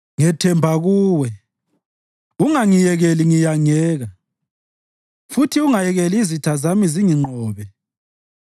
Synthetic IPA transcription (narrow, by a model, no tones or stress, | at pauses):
ŋɛtʰɛmbʱaɣuːwɛ | uŋaŋijɛɣɛliŋijaŋɛːɣa | futʰiuŋajɛɣɛlizitʰazamiziŋiŋ͡ǃʱɔːβɛ